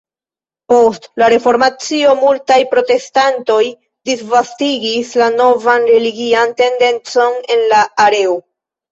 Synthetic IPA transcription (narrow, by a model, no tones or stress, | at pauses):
po̞stlaɾe̞fo̞ɾmat͡sio̞multajpɾo̞te̞stanto̞j | disvastiɡislano̞vanɾe̞liɡiante̞nde̞nt͡so̞ne̞nlaːɾe̞o